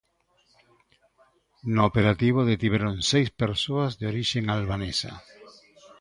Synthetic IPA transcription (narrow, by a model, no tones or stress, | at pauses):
nʊːpeɾat̪iβ̞oðet̪iβeɾonsejspeɾsoazðeoɾiʃeŋalβanesa̰